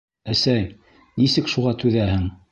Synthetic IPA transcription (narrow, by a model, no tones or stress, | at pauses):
æsæj | nisɘkʃuʁɑt̪ʉðæhɘŋ